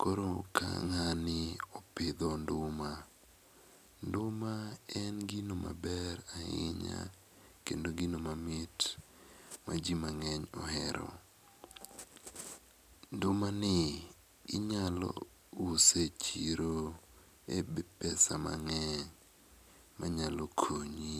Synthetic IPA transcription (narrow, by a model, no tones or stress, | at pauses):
koɾoka̰ŋanɪɔpɪd̪ɔndʊma | ndʊmaɛnɡinoma̰bɛɾaɪ̰ɲa̰ | kendoɡinomamɪt | mad͡ʒimaŋɛɲɔ̰ɦɛɾɔ̰ | ndʊmanɪ | ɪɲalɔ̰ | uset͡ʃiɾo | ebɪpɛsama̰ŋɛɲ | mʔaɲalɔkʰoɲi